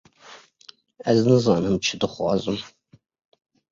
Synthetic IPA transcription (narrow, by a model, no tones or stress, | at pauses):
æznɨzɑːnɨmt͡ʃʰɪdɨχʷɑ̰ːzʼɨm